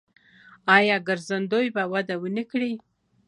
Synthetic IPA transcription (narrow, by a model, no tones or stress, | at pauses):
ɑjɑɡəɾzand̪ojbawad̪awənikɽi